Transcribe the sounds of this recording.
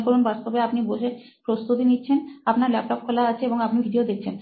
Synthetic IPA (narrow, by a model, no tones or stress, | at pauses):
koɾunbast̪obeapniboʃe | pɾost̪ut̪initːɕʰenapnaɾlɛpʈɔp̚kʰolaat͡ɕʰeeboŋapnibʱiɖiod̪ek̚t͡ɕʰen